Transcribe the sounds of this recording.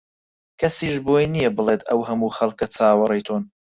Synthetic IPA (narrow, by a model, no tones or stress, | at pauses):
kʰɐsiːʃboːjnijɐbɨlˠeːt̪ʰɐwhɐmuːxɐlˠkɐt͡sʰaːwɐɾejt̪ʰoːn